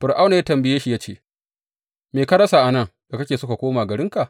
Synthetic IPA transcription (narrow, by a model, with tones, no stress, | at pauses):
ɸɪ˨rʔa˦wna˨ja˦tɐ˨mbɪ˨jeː˦ʃi˨jaː˦t͡ʃḛː˦ | meː˨ka˦ɽɐ˦sa˨ʔa˨nɐ˦˨ŋda˨kɐ˦kʲeː˨sʊ˦ka˨kʷoː˦maː˨ɡɐ˨ɽɪ˦ŋka˨ʔ